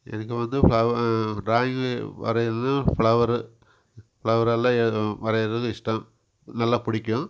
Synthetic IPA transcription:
ɛ̰nɐkːɯʋɐnd̪ɯfɭɐʋɐɖɾaːjɪŋɡʋɐ̰ɾɐɾnafɭɐʋɐɾɯ | fɭɐʋɐɾɐlːãːɛʋɐɾɐɾɐðkɯɪsʈɐm | nɐlːaːpʊɽɪkʲːʊ̃

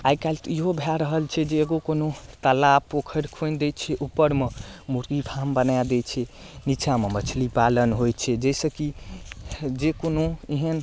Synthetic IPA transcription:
ajkalt̪iɦobʱeaɾəɦəlt͡ʃʰɛd͡ʒeːɡokonot̪əlapʰokʰəɾkʰond̪ɛt͡ʃʰɛʔupːəɾmẽmuɾɡipʰaɦmbənad̪ɛt͡ʃʰɛ | nit͡ʃʰamemət͡ʃʰlipalənɦojt͡ʃʰɛd͡ʒɛjsəki | d͡ʒekonoeɦən

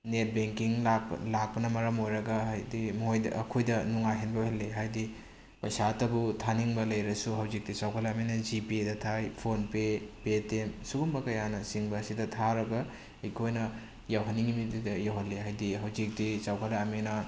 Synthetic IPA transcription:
net̚beŋkiŋla̰lak̚pɐnɐmɐɾɐmojɾɐɡɐɦajdimojdɐ̰ɐkʰojdɐnuŋajɦenbɐhelːeɦajdi | pɐjsatɐbutʰaniŋbɐlɐjɾɐsuɦɐwzik̚tit͡ʃawkʰɐlɐmenɐd͡ʒipiedɐtʰajpʰonpepetemsuɡumbɐkɐjanɐsiŋbɐːsidɐtʰaɾɐɡɐ | ɐjkʰojnɐ | jawɦɐniŋimitidɐjawɦɐlːeɦajdiɦɐwzik̚tit͡ʃawkʰɐlaɐmenɐ

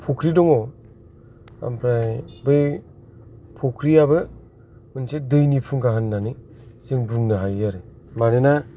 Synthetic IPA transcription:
pʰɔkʰɾidɔŋɔ | a̰mpʰɾabɯj | pʰokʰɾijabɯ | ɯnsedɯjnipʰuŋɡaɦɯnːani | zɯŋbɯŋnɯɦajaɾe | manena

